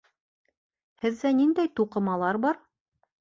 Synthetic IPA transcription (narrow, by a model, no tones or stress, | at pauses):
hɘ̆ðːænind̪æjt̪uqɤ̆mɑlˠɑɾbɑɾ